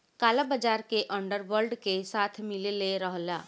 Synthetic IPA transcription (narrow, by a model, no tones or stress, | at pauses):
kaːlabəd͡ʒaːɾkeʔə̃ɳɖəɾwəɾlɖkesaːt̪ʰmɪleleɾəɦlaː